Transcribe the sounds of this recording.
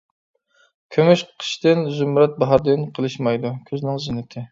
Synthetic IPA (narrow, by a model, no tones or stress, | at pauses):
kʲʰømyʃqʰə̥ʃt̪ɪnzumɾɛt̪̚bɑɦɑɾd̪ɪnqʰəlˠɨʃmɑjd̪ukʲʰøznɪŋzɪnːɪt̪ʰɪ